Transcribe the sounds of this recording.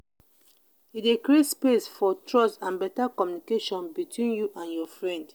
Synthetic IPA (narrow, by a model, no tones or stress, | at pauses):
idekɾietspesfɔtɹɔstãnbɛtakɔmjunikeʃɔ̃nbitʰwĩnjuʔãnjɔfɹɛ̃nd